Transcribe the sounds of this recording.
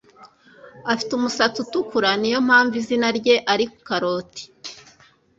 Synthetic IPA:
afi̥tumusat͡sutukuɾanijo̞m̥haːɱvizinaɾɟe̞ʔaɾikkaɾoːti̥

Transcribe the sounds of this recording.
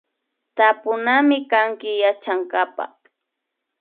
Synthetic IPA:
t̪apʊnamɪkaŋkɪjat͡ʃaŋkapa̰

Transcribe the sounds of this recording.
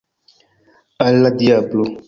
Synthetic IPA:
aladiablo

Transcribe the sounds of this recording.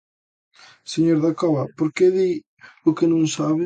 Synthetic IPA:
seɲoɾðakɔβɐpoɾkeði | ʊkenõŋsaβɪ

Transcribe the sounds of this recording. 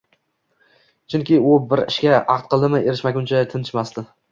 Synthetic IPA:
t͡ʃʰʊŋkʲɪʊbɪɾɪ̰ʃkʲaɑqt̪̚qʰɨlˠd̪ɪmɪeɾɪʃmakʲʊnt͡ʃʰat̪ʰɪnɪʃmast̪ɪ

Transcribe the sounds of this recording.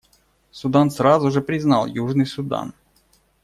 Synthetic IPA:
sʊd̪ansrazʊʐɨpɾʲɪznɑlˠjuʐnɨjsʊd̪a̰n

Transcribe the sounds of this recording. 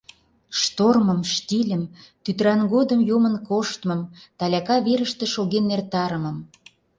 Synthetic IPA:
ʃt̪orməmʃt̪ilʲə̆mt̪yt̪ɾɑnɡod̪əmjomənkoʃt̪mɤ̆mt̪ɑlʲɑkɑβeɾəʃt̪ĕʃoɣenːert̪ɑɾəmə̆m

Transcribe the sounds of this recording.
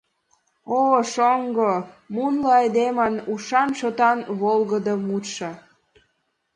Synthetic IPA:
oʃoŋɡo | munləɑjd̪emənuʃɑnʃot̪ɑnβolɣəd̪əmut̪ʃə

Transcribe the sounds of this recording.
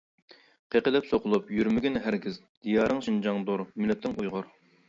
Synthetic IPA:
qʰeqəlɪpsoqʰʊlˠupjyɾmɪɡʲinɪɦæɾɡʲiz | d̪̥ijɑːɾɨŋʃind͡ʒɑŋd̪uɾmylːɛt̪ʰːɪŋujʁʊɾ

